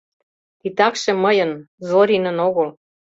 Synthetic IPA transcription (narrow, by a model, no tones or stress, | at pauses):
t̪it̪ɑkʃĕməjɤ̆nzoɾʲinə̆noɣɤ̆l